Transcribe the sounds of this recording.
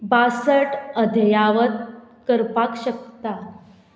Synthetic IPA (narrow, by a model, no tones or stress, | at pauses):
basəʈəd̪ʱəjaʋət̪̚kəɾpakɕək̚t̪a